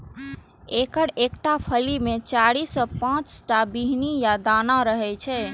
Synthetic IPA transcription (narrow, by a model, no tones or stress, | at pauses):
ekəɽekʈapʰəlimet͡ʃaɽisɔpãt͡ʃʈabiɦnijad̪anaɾəɦɛt͡ʃʰɛ